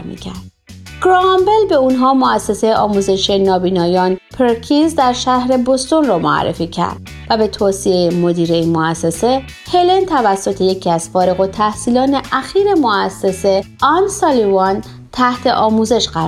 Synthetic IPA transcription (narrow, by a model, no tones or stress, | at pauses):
mḭːcʰæ̰ɾd̪̥ | ɡ̥ɾɒmbe̞lbeunɦɒːmoæsːe̞sejʔɒːmuːze̞ʃenɒːbiːnɒːjɒːnpʰeɾkʰinzd̪æɾʃæhɾe̞bost̪o̞nrɒːmoæ̰rːḛfiːcʰæ̰ɾd̪̥̚ | væbe̞t̪ʰoːsiejemo̞d̪iːɾe̞inmoæsːe̞se̞ | helent̪ʰævæsːo̞t̪ʰe̞je̞cʰiːæz̥fɒːɾeɣo̞t̪ʰæhsiːlɒːne̞ʔæxiːɾe̞moæsːe̞se̞ʔɒnsɒlivɒn | t̪ʰæht̪ʰe̞ʔɒːmuːze̞ʃɢæɾ